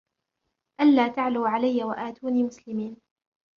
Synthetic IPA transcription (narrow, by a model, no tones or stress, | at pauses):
ʔanːaːt̪aʕluːʕalajːawaʔaːt̪uːniːmʊslɪmiːn